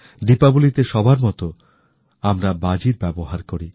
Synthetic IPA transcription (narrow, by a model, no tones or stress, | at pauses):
d̪ipabulit̪eʃɔbʱaɾmɔt̪o | amɾabad͡ʑiɾbɛboɦaɾkoɾi